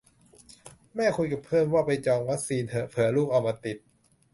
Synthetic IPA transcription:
mɛː˥˩kʰu˧jka˨˩pʰɤː˥˩mwaː˥˩pa˧jt͡ɕɔː˧ŋwa˦˥k̚siː˧nt̪ʰpʰɯ˩˦ɐ˦luː˥˩k̚ʔa˨˧wmaː˧t̪i˨˩t̪̚

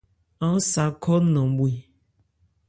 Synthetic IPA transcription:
ã˨˦sa˨kʰɔ˦nɔ̃˨˦bu˦i˨

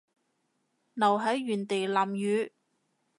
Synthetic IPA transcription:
nɐ˨˩wɦɐ˨˥jːyː˨˩nt̪e˨˩jlaː˨˩mjyː˨˧˥

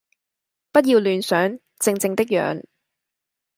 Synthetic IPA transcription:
pɐ˥t̬̚jiː˧wlyː˨nsœː˨˥ŋ | t͡sɪ˧ŋt͡sɪ˧ŋt̪ɪ˥k̚jœ̰ː˨˧ŋ

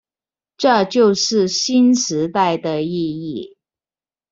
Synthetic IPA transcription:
ʈ͡ʂɤ˥˧t͡ɕjo˥˧ʊʂɻ̩˥˩ɕi˥nʂɻ̩˧˥t̪a˥˩ɪd̪ə˩i˥˧i˥˩

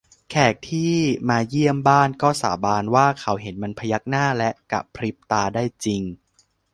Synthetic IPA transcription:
kʰɛː˨˩k̚t̪ʰiː˥˩maː˧ji˥˩əmbaː˥˩nkɔː˥˩sa̰ː˩˦baː˧nwaː˥˩kʰa˩˦˥wɦe˩˦nma˧npʰa˧ja˦˥k̚naː˥˩lɛ˦˥ʔka̰˨˩pʰɾi˦˥p̚t̪aː˧daː˥˩jt͡ɕi˧ŋ

